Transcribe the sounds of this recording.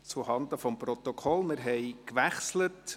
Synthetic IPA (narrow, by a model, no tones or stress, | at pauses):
t͡suhɑnd̪əfɔmprɔt̪ɔkʰɔlmɪɾɦɛɪkʋæχslət